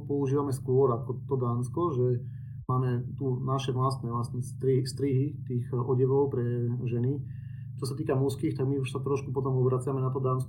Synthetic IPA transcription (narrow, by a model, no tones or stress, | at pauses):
pɔuʒiːʋamɛskʊɔɾakɔt̪ɔd̪aːnskɔʒɛ | maːmɛt̪unaʃɛʋlast̪nɛʋlast̪nɛst̪ɾist̪ɾiɦit̪iːɣɔɟɛʋɔʊpɾɛʒɛni | t͡ʃɔsat̪iːkamuskixt̪aɡmiuʃsat̪ɾɔʃkupɔt̪ɔmɔbɾat͡sɪamɛnat̪ɔd̪aːnskɔ